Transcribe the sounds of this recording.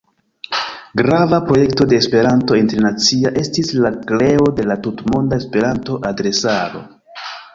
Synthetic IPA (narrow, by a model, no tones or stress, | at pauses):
ɡɾavapɾo̞je̞kto̞de̞ːspe̞ɾanto̞entɾenat͡siaʔe̞stislakle̞o̞de̞latutmo̞ndae̞spe̞ɾanto̞ʔadɾe̞saɾo̞̰